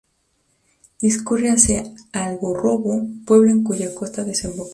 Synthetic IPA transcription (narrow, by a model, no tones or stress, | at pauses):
iskureasealɣoro̞βo̞pwe̞βlo̞eŋkuʝako̞st̪aðe̞sembok